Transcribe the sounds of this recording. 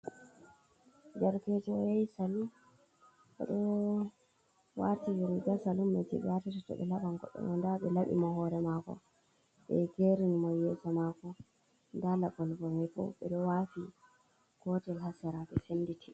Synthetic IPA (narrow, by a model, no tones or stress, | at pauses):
d͡ʒaɾkɛtɔjajsalu | ɓɛ̰ɗɔ | waɾtiwiɾud͡ʒasalumːɛtibɛatitɔtɔ̰ɓɛ̰laɓaŋɡɔ̰ɓːɛ̰nɔndaɓɛlaɓḭmɔhɔɾɛmakɔ̰ | ɓɛɡeɾinmɔjɛsamakɔ | ndalaɡɔlbɔmɛbɔ̰ɓɛ̰ɗɔwafi | kɔtɛlhasɛɾabɛsenːditʰi